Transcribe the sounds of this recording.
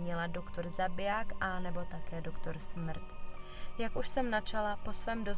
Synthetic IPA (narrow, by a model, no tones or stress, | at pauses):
ɲɪlado̞kt̪o̞ɾzabɪjaːkʔanɛbo̞t̪akɛːdo̞kt̪o̞ɾsmr̩t̪ | jakuʃsɛmnat͡ʃalapo̞svɛːmdo̞z